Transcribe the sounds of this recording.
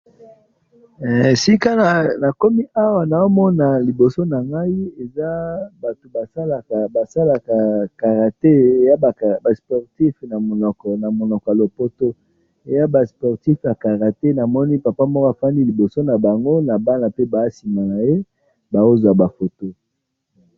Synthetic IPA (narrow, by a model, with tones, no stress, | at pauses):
si˦ka˦na˨na˨ko˦mi˦ʔa˦wa˨na˨o˦mɔ˦na˨li˨bo˨so˦na˨ŋɡa˦i˦e˨za˦ba˨to˨ba˨sa˦la˨ka˨ba˨sa˦la˨ka˨ka˨ʁa˨te˦e˨ja˦ba˨kba˨spɔ˨ʁti˦fna˨mo˨nɔ˨kɔ˨na˨mo˨nɔ˨kɔ˨a˨lo˨po˦to˦ | e˨ja˦ba˨spɔ˨ʁti˦fja˨ka˨ʁa˨te˦na˨mɔ˦ni˦pa˨pa˦mɔ˦kɔ˦a˨fa˦ndi˦li˨bo˨so˦na˨ba˨ŋɡo˦na˨ba˦na˨pe˦ba˨˦si˨ma˨na˨je˦ | ba˨o˦za˨ba˨fo˨to˦